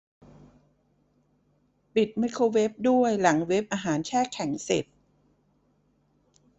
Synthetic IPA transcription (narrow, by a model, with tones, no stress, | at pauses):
pi˨˩t̪̚ma˦˥jkʰoː˧we˦˥p̚du˥˩əjla˩˦ŋwe˦˥p̚ʔaː˧ɦaː˩˦nt͡ɕʰɛː˥˩kʰːɛ˩˦ŋsḛ˨˩t̪̚